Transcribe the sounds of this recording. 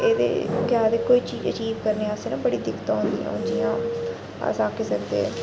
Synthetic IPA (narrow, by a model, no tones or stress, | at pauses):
eːd̪ḛːkɪaːd̪eːkoːiːt͡ʃiːd͡ʒət͡ʃiːbkəɾneːaəseːnãːbəɽiːd̪ɪkt̪ãːɦʊnd̪ḭːã̰ːʊd͡ʒiːãː | a̰saːkeːsənd̪ḛːɛ̰